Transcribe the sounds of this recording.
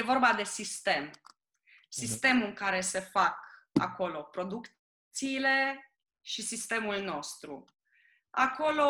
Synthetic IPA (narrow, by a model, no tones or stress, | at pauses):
evo̞rbad̪e̞sist̪e̞m | sist̪e̞mɨŋkaɾe̞se̞faka̰ko̞lo̞pɾo̞d̪ukt̪ | t̪siːle̞ | ʃisist̪e̞mulno̞st̪ɾṵ | ako̞lo̞